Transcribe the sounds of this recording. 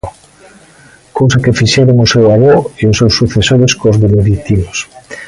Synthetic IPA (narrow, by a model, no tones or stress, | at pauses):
kowsakefiʃɛɾoŋʊsewaβoeʊsewsːuθesoɾeskozðeneðit̪imos